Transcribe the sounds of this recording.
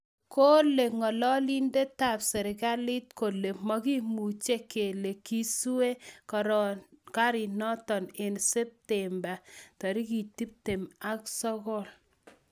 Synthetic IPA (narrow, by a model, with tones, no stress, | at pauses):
ko˦le˨ŋɔ˨lɔ˦li˦nde˦ta˨psɛ˨ɾi˨ka˦li˦t̚ko˨le˨mɔ˦ki˦mu˨t͡ʃe˦ke˨le˨ki˦su˦we˦kaɾka˦ɾi˨nɔ˦tɔ˨ne˨nse˦p̚temba˨tɔ˨ɾi˦ki˨ti˦p̚te˨ma˨ksɔ˦kɔ˦l